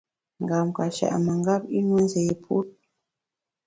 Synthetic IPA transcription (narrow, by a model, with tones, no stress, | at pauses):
ŋ˨ɡa˨mka˨ʃa̰˨ʔma˨ŋɡa˦pi˦nwe˦n˦ze˨je˨pʰṵ˦t̚